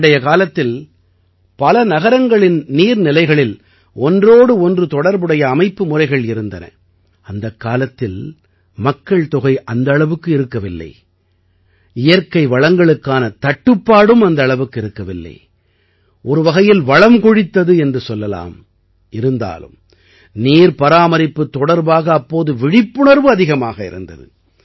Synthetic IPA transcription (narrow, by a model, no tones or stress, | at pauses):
ɽɐjɐkaːlɐt̪ːɪl | pɐlɐnɐɣɐɾɐŋɡɐɭɪnniːɾnɪlɐɪɣɐɭɪl | ɔndroːɽɯɔndrɯt̪ɔɽɐɾbɯɽɐjɐːmɐɪpːɯmʊrɐɪɣɐɭɪɾɯnd̪ɐnɐ̰ | ɐnd̪ɐkːaːlɐt̪ːɪl | mɐkːɐɭt̪ɔɣɐɪʔɐnd̪ɐɭɐʋɯkːɯɪɾɯkːɐʋɪlːɐ̰ɪ | ɪjɐɾkɐɪʋɐɭɐŋɡɐɭɯkːaːnɐt̪ɐʈːɯpːaːɽɯmɐnd̪ɐːɭɐʋɯkːɯɪɾɯkːɐʋɪlːɐ̰ɪ | ʔɔɾɯʋɐɣɐjɪlʋɐɭɐmkɔɻɪt̪ːɐðɯɛndrɯsɔlːɐla̰ːm | ɪɾɯnd̪a̰ːlɯ̰m | niːɾpɐɾaːmɐɾɪpːɯt̪ːɔɽɐɾbaːɣɐːpːoːðɯʋɪɽɪpːɯɳɐɾʋɯɐðɪɣɐmaːɣɐɪ̰ɾɯ̰nd̪ɐ̰ðɯ̰